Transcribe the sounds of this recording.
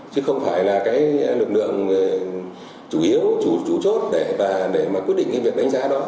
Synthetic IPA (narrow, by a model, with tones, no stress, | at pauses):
t͡ɕɨ˨˦xə˧wŋ͡mfaː˧˩jlaː˨˩kaː˨˦jlɨ˨˩k̚lɨ̰˧˨əŋ˨ | t͡ɕu˧˩ʔi˨˦əwt͡ɕu˧˩t͡ɕu˧˩t͡ɕo˦˥t̚ɗe˧˩vaː˨˩ɗe˧˩maː˨˩kwt̚ɗḭ˧ŋkaː˧˦vi˨˩ək̚ɗa˨˦ŋ̟zaː˨˦ɗɔ˨˦